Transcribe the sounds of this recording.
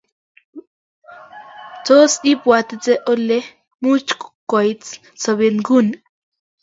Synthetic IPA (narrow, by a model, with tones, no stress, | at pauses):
t͡so˦si˦pwa˧t̪e˧t͡se˦ʔo˦le˦ | mu˦t͡ʃkkʷa˨jt͡s | t͡so˧βe˧ŋɡu˦n